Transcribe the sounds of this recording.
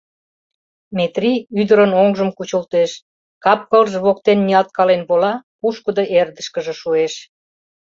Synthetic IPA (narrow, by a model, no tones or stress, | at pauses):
met̪rʲiyd̪əɾənoŋʒəmkut͡ɕəlt̪eʃ | kɑp̚kəlʒĕβokt̪enːiɑt̪̚kɑlenpolɑpuʃkud̪oʔerd̪əʃkəʒĕʃueʃ